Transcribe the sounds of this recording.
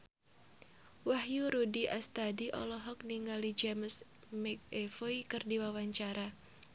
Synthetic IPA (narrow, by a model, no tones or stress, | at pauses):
wahjuɾudiʔast̪adiʔɔ̰lɔɦɔk̚niŋalid͡ʒɛməs | mɛk̚efoikɨrdiwawaɲt͡ʃaɾa